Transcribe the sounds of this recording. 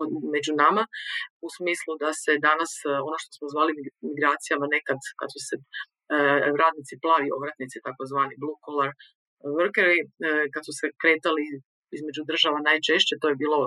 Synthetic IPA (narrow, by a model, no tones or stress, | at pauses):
me̞d͡ʑunamausmiːslˠud̪ase̞d̪anaso̞no̞ʃt̪osmozʋaːlimimiɡɾaːt̪sijamane̞kad̪ka̰d̪suse | ɾaːd̪nit̪siplˠaːʋio̞ʋɾat̪nit̪sit̪akozʋaːniblˠukolaɾ | ʋrkeɾikad̪susekɾe̞ːt̪ali | izme̞d͡ʒud̪r̩ʒaʋanaːjt͡ʃe̞ʃt͡ɕet̪o̞jebiːlo̞